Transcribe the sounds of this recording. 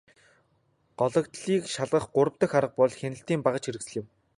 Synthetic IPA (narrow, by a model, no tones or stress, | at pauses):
ɢ̥ɔɮɞ̆kt̪ɮiːkʃaɮʁə̆χɢʊɾə̆wt̪ə̆xaɾə̆q̚pɔɮxenɘ̆ɬt̪iːmpaʁə̆t͡ɕʰxiɾɘ̆ksɘ̆ɮɪ̆m